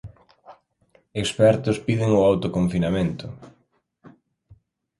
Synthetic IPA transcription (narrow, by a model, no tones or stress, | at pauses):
espɛɾt̪ʊspiðɪŋʊawt̪okoɱfinamẽnt̪ʊ